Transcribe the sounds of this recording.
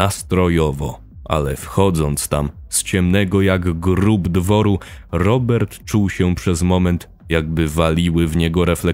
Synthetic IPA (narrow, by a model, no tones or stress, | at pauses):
ast̪ɾɔjɔvɔ̰ | ʔa̰lɛfxɔd̪zɔnt̪st̪amst͡ɕɛmnɛɡɔjaɡɡɾubd̪vɔɾuɾɔbɛɾt̪t͡ʂuwɕɛpʂɛzmɔmɛnt̪ | jaɡ̚bɘvalʲiwɘvɲɛɡɔɾɛflɛ